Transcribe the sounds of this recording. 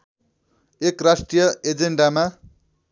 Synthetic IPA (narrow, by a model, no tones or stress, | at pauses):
ekrasʈrijʌed͡zeɳɖama